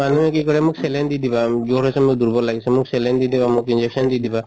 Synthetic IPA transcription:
manuɛk̬ikɔɹɛmuksɛlɛndid̪ibazoɾɦɔjsɛmukd̪uɾbɔlaɡisɛmuksɛlɛndid̪ibamukind͡ʒɛk̚sɔndid̪iba

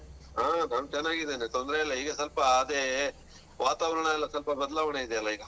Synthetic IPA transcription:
aːnaːnut͡ʃɐnːaːɡid̪eːnet̪ond̪ɾeɐlːɐiːɡɐsɐlpɐːd̪eː | ʋaːt̪aːʋɐɾɐɳɐilːɐsɐlpɐbɐd̪ɐlaːʋɐɳeid̪ɛɐlːɐiːɡɐ

